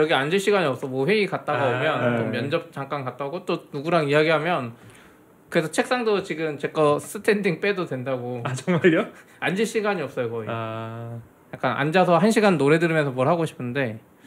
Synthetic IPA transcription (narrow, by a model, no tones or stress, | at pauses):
jʌɡiand͡ʑiɭɕ͈iɡaɲiʌp̚s͈ʌmʌɸwe̞ikat̚t͈aɡaomjʌnt͡ɕomːjʌnd͡ʑʌp̚t͡ɕ͈aŋk͈ankat̚t͈aɡot͈onuɡuɾaŋiaɡiɦamjʌn | kɯɾe̞sʰʌt͡ɕʰek̚s͈aŋdot͡ɕiɡɯmt͡ɕe̞k͈ʌs͈ʰɯtʰe̞ndiŋp͈e̞dodwe̞ndaɡot͡ɕʌŋmaɭo | and͡ʑiɭɕ͈iɡaɲiʌp̚s͈ʌjokʌa | jak͈ana̰nd͡ʑasʰʌɦanɕʰiɡanːoɾe̞dɯɾɯmjʌnsʰʌmwʌɭhaɡoɕʰi̥pʰɯnde̞